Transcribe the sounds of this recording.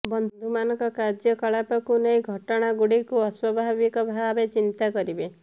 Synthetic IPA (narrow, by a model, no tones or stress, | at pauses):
bɔnd̪ʱumanɔ̃ŋkɔkaɾd͡ʒjɔkɔɭapɔkunejɡʱɔʈɔɽ̃aɡuɽikuɔswɔbʱabikɔbʱabet͡ʃint̪akɔɾibe